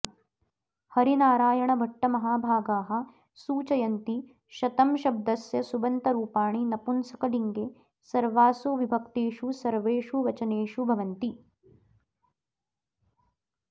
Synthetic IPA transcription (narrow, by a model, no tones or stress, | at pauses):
hɐɾinaːɾaːjɐɳɐbʱɐʈːɐmɐɦaːbʱaːɡaːɦɐ̆ | suːt͡ʃɐjɐnt̪i | ʃɐt̪ɐmʃɐb̚d̪ɐsjɐsubɐnt̪ɐɾuːpaːɳinɐpunsɐkɐd̪iŋɡe | sɐɾʋaːsoːʋibʱɐkt̪eːʂusɐɾʋeːʂuʋɐt͡ʃɐneːʂubʱɐʋɐnt̪i